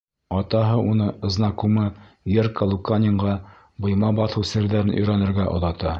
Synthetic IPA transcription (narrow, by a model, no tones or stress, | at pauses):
ɑt̪ɑɦɤʔunɤɤ̆znɑkumɤ | jerkəlˠukanʲɪɴʁɑ | bŏjmɑbɑθɤwsɘ̆ɾðæɾɘnʔɵ̰̆jɾænɘ̆ɾɡæʔŏ̰ðɑt̪ɑ